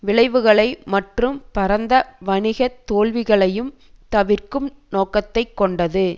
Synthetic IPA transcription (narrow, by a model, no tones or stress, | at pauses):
ʋɪɭɐɪʋɯɣɐɭɐɪmɐʈrɯmpɐɾɐnd̪ɐʋɐnɪɣɐt̪ːoːlʋɪɣɐɭɐjɯm | t̪ɐʋɪrkɯmnoːkɐt̪ːɐɪkːɔɳɖɐðɯ